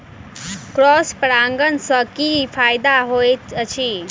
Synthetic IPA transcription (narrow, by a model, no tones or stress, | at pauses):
kɾɔspɾaŋɡənsəkifʰaːjd̪aɦojt͡ʃʰi